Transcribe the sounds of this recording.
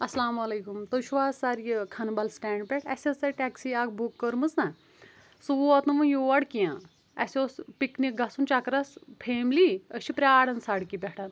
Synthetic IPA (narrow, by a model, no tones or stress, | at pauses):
ɐslaːmɐleːkumt̪oʃʰuʋaːzsaɾjikʰɐnbɐlsʈɛːɳɖ̚pʲeʈɐsʲɐsɐɾʈɛksiaːkbʱukːəɾmɨsnɐ | suʋoɐt̪nɨʋɐ̃joːʋɐɽkijãːn | ɐsʲoːspiknik̚ɡɐsunt͡ʃɐkɾɐspʰeːmliəʃʰipɾʲaːɽɐnsɐɽkipʲɛʈɐn